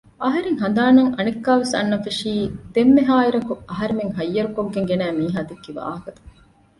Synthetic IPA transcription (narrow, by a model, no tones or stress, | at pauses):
ɐɦɐɾeŋɦɐnd̪aːnɐŋɐnekːaːʋesɐ̰nːɐfeʂiːt̪emːeɦaːiɾɐkuʔɐɦɐɾemeŋɦɐjːɐɾukoɡːeŋɡenæːmiːɦaːd̪ekːiʋa̰ːɦɐkɐt̪ɐ̥